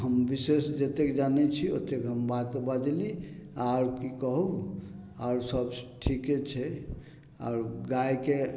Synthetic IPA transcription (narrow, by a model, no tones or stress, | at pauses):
ɦəmbisesd͡ʒət̪ekd͡ʒanɛt͡ʃʰio̰t̪ekɦəmbat̪bad̪liaɾkikəɦu | aɾsəbsʈʰiket͡ʃʰɛ | a̰ɾɡajke